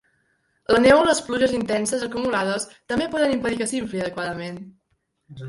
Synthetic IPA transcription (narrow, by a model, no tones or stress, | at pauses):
lənɛwləspluʒəzint̪ɛnsəzəkumulaðəst̪əmbepɔðənimpəðikəsiɱfliəðəkwaðəmen